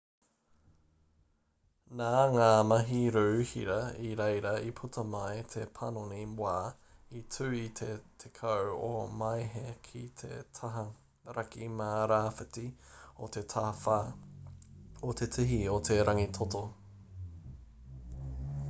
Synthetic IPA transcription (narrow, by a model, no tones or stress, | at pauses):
naːŋaːmɐɦiɾʉhḭɾɐiɾejɾɐipʰut̪ʰɐmɐjt̪ʰepʰɐnoniwaː | itʰʉːitʰet̪ʰekʰɐwomɐjɦekʰit̪ʰḛtʰaɦɐ | ɾɐkʰimaːɾaːfɐtio̰t̪ʰe̞t̪ʰafaː | ot̪ʰetʰiɦiot̪ʰe̞ɾɐŋit̪ʰoto